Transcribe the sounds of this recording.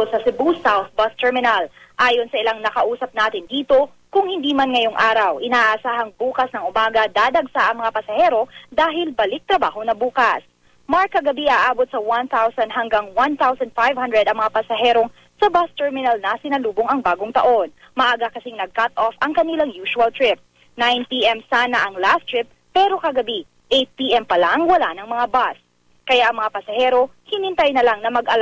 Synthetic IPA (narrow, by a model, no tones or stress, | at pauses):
sɐsɪbusawθ̚bɐst̪ɛɹmɪnɐl | ʔaːjonsɐɪlaŋnɐkɐʔuːsɐp̚naːt̪ɪnd̪iːt̪o̞ | kʊŋhɪnd̪iːmɐnŋɐjo̞ŋʔaːɾɐwʔɪnaːʔʔɐsaːɦɐŋbuːkɐsnɐŋʔʊmaːɡɐd̪aːd̪ɐɡsaʔɐŋmɐŋapɐsɐhɛːɾo̞d̪aːɦɪlbɐlɪk̚t̪ɾɐbaːɦo̞nɐbuːkɐs | maɹkːɐɡɐbiʔaːʔaːbot̪̚sɐwanθawsɐnd̪ɦɐŋɡaŋwanθawsɐnd̪̥̚fajvhɐnd̪ɾɛd̪ʔɐŋmɐŋapɐsɐɦɛːɾoŋ | sɐbast̪ɛɹmɪnɐlnɐsɪnɐluːboŋɐŋbaːɡoŋt̪ɐ̰ʔo̞n | mɐʔaːɡakɐsɪŋnɐɡ̚kat̪ʔofʔɐŋkɐnilɐŋjuːʃuɐlt̪ɹɪp̚ | najnpiʔɛmsaːnɐʔɐŋlast̪ɹɪp̚ | pɛːɾo̞kɐɡɐbi | ʔejt̪̚piʔɛmpɐlaŋwɐlanɐŋmɐŋabas | kɐjaʔɐŋmɐŋapɐsɐhɛːɾo̞hɪnɪnt̪ajnɐlaŋnɐmɐɡʔɐl